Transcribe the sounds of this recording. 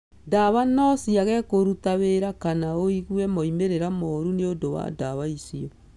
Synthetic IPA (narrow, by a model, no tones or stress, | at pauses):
daβanɔsiaɣɛkoɾutaβeɾakanaoiɣwɛmɔimeɾeɾamɔɾuneondowa̰daβaisiɔ